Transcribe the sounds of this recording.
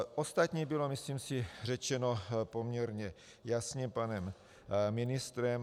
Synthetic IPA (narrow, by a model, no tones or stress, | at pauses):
ʔost̪at̪ɲiːbɪlo̞mɪsliːmsɪrɛt͡ʃɛnopo̞mɲɛɾɲɛ | jasɲɛpanɛm | mɪnɪst̪ɾɛm